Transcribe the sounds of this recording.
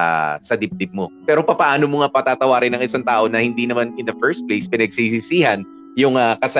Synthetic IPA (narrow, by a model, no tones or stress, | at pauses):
sɐd̪ɪp̚d̪ɪp̚mo̞pɛːɾo̞pɐpɐʔaːno̞moŋapɐt̪aːt̪ɐwaːɾɪnɐŋʔɪsaŋt̪aːʔo̞nɐhɪnd̪inɐmanɪnd̪ɐfɛɹst̪̚plejspɪnɐɡ̚siːs̬ɪsiːhɐn | jʊŋakɐsɐ